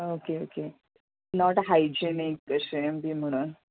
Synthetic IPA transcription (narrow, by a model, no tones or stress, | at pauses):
okeoke | nɔʈɦajd͡ʑenikːəɕembʱiːm̤əɽ̃uːn